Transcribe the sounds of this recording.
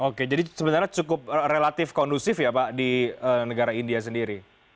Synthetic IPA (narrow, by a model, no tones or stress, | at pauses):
oked͡ʒadisəbənarɲat͡ʃukʊp̚relat̪ɪfkɔndusɪfjapadiəːnəɡaɾaindias̬əndiɾi